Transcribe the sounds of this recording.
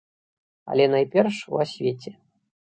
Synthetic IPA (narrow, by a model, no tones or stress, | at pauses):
a̰lʲɛnajpʲɛrʂṵasʲvʲet͡sʲɛ